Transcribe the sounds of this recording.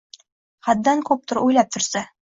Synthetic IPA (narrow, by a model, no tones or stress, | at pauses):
χæd̪d̪æŋkʉp̚t̪ŏɾujlˠɑp̚t̪ŏɾsɑ